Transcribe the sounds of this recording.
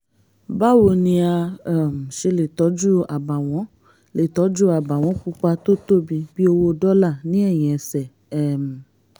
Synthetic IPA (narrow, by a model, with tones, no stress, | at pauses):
ba˦wo˨nĩ˧a˧˨m̩˨ʃe˧le˨tɔ˨˦d͡ʒu˦a˨ba˨w̃ɔ̃˨˦ | le˨tɔ˨˦d͡ʒu˦a˨ba˨w̃ɔ̃˨˦k͡pu˦k͡pa˧to˦to˦˨bi˧b̥i˦o˧wo˧dɔ˦la˦˨nĩ˨˦ɛ˦˨j̃ĩ˨ɛ˧sɛ˨ | ɛ˦˨m˨